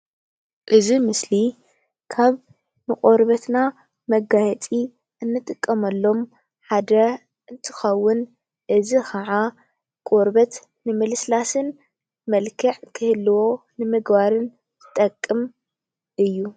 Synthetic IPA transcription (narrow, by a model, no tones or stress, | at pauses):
ʔɨzimɨsli | kʰaβ | mɨkʼoɾbɐt̪na | mɐɡajɛt̪ʼi | ʔɨnːɨt̪ʼɨkʼːɐmɐlːo̞m | ħad̪ɐ | ʔɨnt̪ʰɨ̥xɐwːʊn | ʔɨzixʰɐʕa | kʼoɾbɐt̪ | nɨmɨlɨslasɨn | mɐlkʰɨʕkʰɨhɨlːɨwo̞ | nɨmɨɡbaɾɨn | zɨt̪ʼɐkʼːɨm | ʔɨjːu